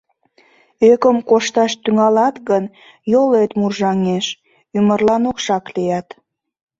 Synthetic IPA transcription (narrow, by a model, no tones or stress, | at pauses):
økəmkoʃt̪ɑʃt̪yŋɑlɑt̪ɣən | jolet̪murʒɑŋeʃ | ymərlɑnokʃɑklijɑt̪